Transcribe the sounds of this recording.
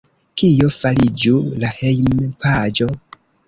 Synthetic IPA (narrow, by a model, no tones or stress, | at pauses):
kijofalid͡ʒulahejmpad͡ʒo̞